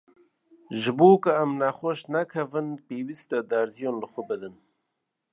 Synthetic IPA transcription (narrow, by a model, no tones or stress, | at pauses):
ʒɨboːkɨamnaxʷoʃnakʰɐvɨnpeːwist̪ad̪æɾzijoːnləxʷʊbɨd̪ɨn